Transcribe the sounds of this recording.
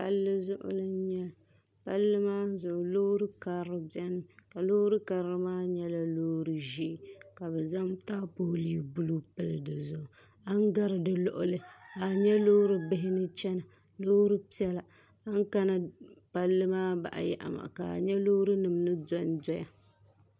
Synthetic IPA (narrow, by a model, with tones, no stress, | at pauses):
pa̰˦lːɨ˦zʊ̰˦ʔʊ̰˦lɨ˦ɲɛ˦˨ | pa˦lːɨ˦maː˦zʊ˨ʔʊ˨lo˦ɾɨ˦ka˨ɾɨ˦bɛ˦nɨ˦ka˨lo˦ɾɨ˦ka˨ɾɾɨ˦maː˦ɲɛ˦la˦loː˦ɾɨ˦ʒi˦ʔɪ˨ka˨bɛ˨za˦mta˦po˦li˦˨bu˦lu˦pɨ˦lɨ˨dɨ˨zʊ˨ʔʊ˨ | a˦ŋ˦ɡa˦ɾɨ˨dɨ˦lɔ̰˦ʔʊ˦lɨ˦a˨ɲɛ˦lo˦ɾɨ˦bɪ˦ɦɪ˦nɨ˦t͡ʃɛ˦na˨ | lo˦ɾɨ˦pi˦ɛ˦la˨ | a˦ŋ˦ka˦na˨pa˦lːɨ˦maː˦ba̰˨ʔa̰˨ja̰˨ʔa̰˨ma̰˨ka̰˨ɲɛ˦lo˦ɾɨ˦nɨ˨mnɨ˦dɔ˦n˦dɔ˦ja˨